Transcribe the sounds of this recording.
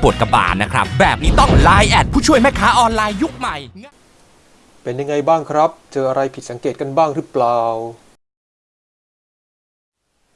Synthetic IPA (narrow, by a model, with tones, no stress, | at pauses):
pu˨˩ət̚ka˧ba̰ː˨˩t̪̚na˦˥kʰɾa˦˥p̚bɛː˨˩p̚niː˦˥t̪ɔ˥˩ŋlaː˧jʔɛː˨˩t̪̚pʰuː˥˩t͡ɕʰu˥˩əjma˥˩jkʰaː˦˥ʔɔː˧nlaː˧jːu˦˥k̚ma˨˩j | pe˨˦nja˧ŋa˧jbaː˥˩ŋkʰɾa˦˥p̚t͡ɕɤː˧ʔa˧ɾa˧jpʰi˨˩sa˩˦ŋkeː˨˩t̪̚ka˧nbaː˥˩ŋɾɯ˦˥plaː˨˩w